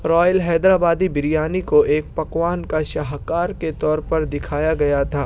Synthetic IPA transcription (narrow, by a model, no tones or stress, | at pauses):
ɾɔːjəlɦɛːd̪ɾaːbaːd̪ibɪɾijaːnikoʔeːk̚pɐkwaːnkaʃɐɦkaːɾket̪ɔːɾpɐɾd̪ɪkʰaːjaɡɐjat̪ʰaː